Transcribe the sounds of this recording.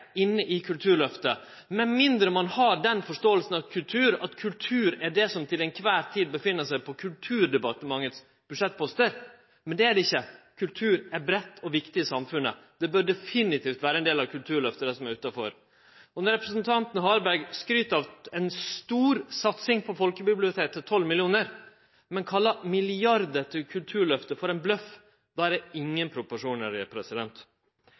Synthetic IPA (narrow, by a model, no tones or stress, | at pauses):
ɪnːəʔɪkʰʉlt̪ʰʉːɾɭœft̪ə | mɛmɪnd̪ɾəmɑnhɑɖɛnfɔʂʈoːəlsn̩ɑʋkʰʉlt̪ʰʉːɾɑt̪kʰʉlt̪ʰʉːɾæɖɛsɔmt̪ʰɪlɛnkʰʋæːɾt̪ʰiːd̪̚bəfɪnːəʂæɪpʰɔkʰʉlt̪ʰʉːɖ̪ɛbɑt̪əmɑŋːət̪s | b̥ʉʂɛt̪̚ːpʰɔst̪əɾ | mɛnd̪ɛæɖɪçːəkʰʉlt̪ʰʉːɾæɾbɾɛt̪ːɔʋɪkt̪ɪəsɑmfʉnːə̰d̪̥ɛbœɾɖɛfɪnɪt̪ʰiːft̪ʋæːɾəɛnd̪eːlɑʋkʰʉlt̪ʰʉːɭœft̪əɾəsɔmæɾʉːt̪ɑfɔɾ | ɔnɔɾɛpɾəsnt̪ʰɑnt̪n̩ɦɑːɾbæɾɡskɾyːt̪ɑʋɛnst̪uːɾsɑt̪sɪŋpʰɔfɔlkəbɪblɪʊt̪ʰeːt̪ʰːət̪ʰɔlːmɪlɪuːnəɾ | mɛnkʰɑlːɑmɪlɪɑɾd̪əʈ̪ʰɪlkʰʉlt̪ʰʉːɭœft̪əfɔɾɛnblœf | d̪ɑːæɾɛɪŋːənpʰɾʊpʊʂuːnəɾɪpʰɾɛsɪd̪ɛnt̪